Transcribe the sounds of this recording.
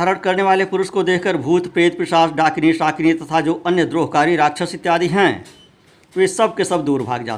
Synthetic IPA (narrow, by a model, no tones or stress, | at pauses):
aːɾəɽkɐɾneʋaːlepʊɾʊʃkod̪eːkʰkəɾbʱuːt̪peːt̪̚pɪʃaːsɖaːkniʃaːknijt̪ɐt̪ʰad͡ʒoːʔɐnjəd̪ɾoːɦkaːɾiɾaːkʃʰəsɪt̪ːjaːd̪iɦɛ̃ː | ʋeːsɐb̚kesɐbd̪uːɾbʱa̰ːɡd͡ʒa̰ːt̪ː